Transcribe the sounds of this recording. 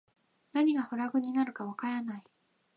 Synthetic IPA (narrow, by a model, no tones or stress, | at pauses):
naɲ̟iɡahoɾaɡɯ̟ɲ̟inaɾɯ̟kaβakaɾanai